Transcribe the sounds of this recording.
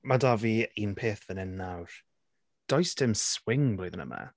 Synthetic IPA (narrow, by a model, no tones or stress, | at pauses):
madaviinpʰeːθðənɛnːawɾ̥ | d̥ɔjstʰɪmswɪŋblojðənə̰ma̰